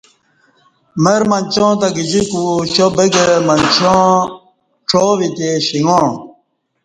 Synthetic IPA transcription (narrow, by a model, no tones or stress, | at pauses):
meɾmɐnʲt͡ɕõːt̪aɡid͡ʑikuɕobeɡemɐnt͡ɕɔ̃ː | ʈ͡ʂʰoːʋit̪eɕiŋɡõ